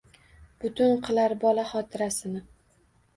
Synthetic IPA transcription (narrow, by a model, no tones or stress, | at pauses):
b̥ʊt̪ʰʊnqʰɨlaɾbɒlaχɒt̪ʰɪɾasɪnɪ